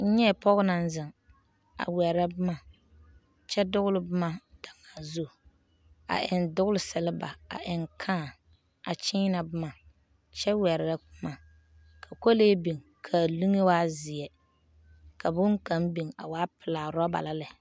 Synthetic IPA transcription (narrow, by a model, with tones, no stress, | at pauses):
n̩˦ɲɛ˦˨pɔ˦ɣʊ˦na˨n˦zɪ˨ŋ | a̰˨wɛ˨ɾa˦bʊ˦ma˨ | t͡ʃɛ˦dʊ˦ɣʊ˦lʊ˦bɨ˦ma˦d̥a˨ŋa˨zu˦˨ | a̰˨ʔɪ˨ndʊ˦ɣʊ˦lɪ˦sɛ˨lɪ˦ba̰˨a̰˨ʔɪ˨ŋkʰaː˦˨ | a˨t͡ʃiː˦na˨bɨ˦ma˨ | t͡ʃɛ˦wɛ˨ɾɾa˦kʊ˦ma˨ | kʰa˨ko˦leː˦bi˨ŋkʰa˨li˦ŋe˦waː˦zɪ˨ɛ˨ | ka˨bʊ˦ŋ˦ka˦mbi˨ŋa̰˨waː˦pɪ˨laː˨ɾɔ˦ba̰˨la˦lɛ˨